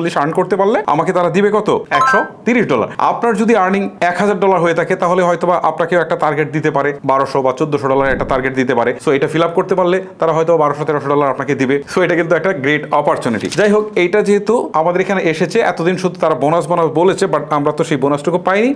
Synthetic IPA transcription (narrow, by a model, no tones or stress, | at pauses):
lːiʃaɾnkoɾt̪epaɾlea̰maket̪aɾad̪ibekɔt̪oɛkʃɔt̪iɾiʃɖɔla̰ɾa̰pnaɾd͡ʑod̪iaɾniŋɛkɦad͡ʑaɾɖɔlaɾɦojet̪ʰaket̪aɦoleɦɔjt̪obaʔapnakeoɛk̚ʈat̪aɾɡeʈ̚d̪it̪epaɾebaɾoʃɔbat͡ɕod̪ːoʃɔɖɔlaɾɛk̚ʈat̪aɾɡeʈ̚d̪it̪epaɾesoejʈafilab̚koɾt̪epaɾlet̪aɾaɦɔjt̪obabaɾoʃɔt̪eɾoʃɔɖɔlaɾapnaked̪ibesoejʈakint̪uɛk̚ʈaɡɾeʈɔpaɾt͡ɕuniʈḭd͡ʑajɦokejʈad͡ʑeɦet̪uamad̪eɾekʰaneʔeʃet͡ɕʰeʔɛ̰t̪od̪inʃud̪ʱut̪aɾabonasbonaʃbolet͡ɕʰebaʈamɾat̪oʃejbonasʈokupajni